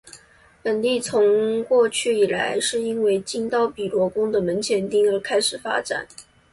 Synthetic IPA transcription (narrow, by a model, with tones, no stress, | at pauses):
pə˨˩nt̪i˥˩t͡sʰʊ˧˥ŋkwɔ˥˧t͡ɕʰy˥˩i˨˩la˧˥ɪʂɻ̩˥˩i˥nwe˥˧ɪt͡ɕi˥ŋt̪ɑ˥˩ʊpi˨˩lwɔ˧˥kʊ˥ŋd̪ə˨mə˧˥nt͡ɕʰjɛ˧˥nt̪i˥˩ŋə˞˧˥kʰa˥ɪʂɻ̩˨˩fa̰˥ʈ͡ʂa̰˨˩˦n